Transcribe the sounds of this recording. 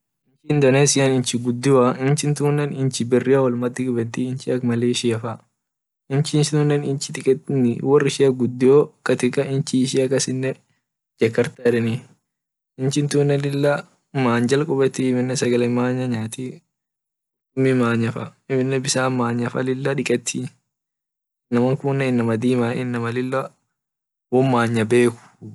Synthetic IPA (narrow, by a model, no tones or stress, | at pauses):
ɪnt͡ʃɪnd̪ɐneːsɪjɐnɪnt͡ʃɪɡʊd̪ːɪwɐɪnt͡ʃɪnt̪uːnːɛnɪnt͡ʃɪbɪrːɪɐwɔlmɐd̪ɪɡʊbɛt̪iɪnt͡ʃɪɐkmɐleːʃɪɐfɐ | ɪnt͡ʃɪnsɪt̪uːnːɛnɪnt͡ʃːɪ̥t̪ɪkʼɛnɪ̰wɔrːɪʃɪɐɡʊd̪ːɪoːkɐt̪ɪkʼɐɪnt͡ʃɪʃiɐkːɐsɪnːɛ | d͡ʒɐkːɐɾt̪ɐɾɛnɪ | ɪnt͡ʃɪnt̪uːnːɛlɪlːɐ | maːɲd͡ʒɐlkʼʊbɛt̪ːimɪnːɛsɐɡɐlɛmaːɲːɐɲaːt̪i | mːɪmaːɲːɐfɐɪmɪnːɛbɪsaːmaːɲːɐfɐlɪlːɐᶑɪkʼɛt̪ʰːi | nɐmɐŋkunːɛɪnːɐmɐd̪iːmaɪnːɐmɐlɪlːɐ | wɔmːaːɲːɐbe̞ːkʊ̥